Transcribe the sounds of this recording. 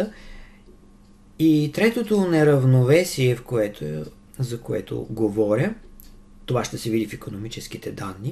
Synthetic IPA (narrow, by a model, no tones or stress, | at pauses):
it̪ɾɛt̪ot̪onɛɾəvnovɛsiɛfkoɛt̪ | zɐkoɛ̰t̪o̰ɡovɔɾʲə | t̪ovaʃt̪ɛsɛvid̪ifikonomit͡ʃɛsk̟it̪ɛd̪anːi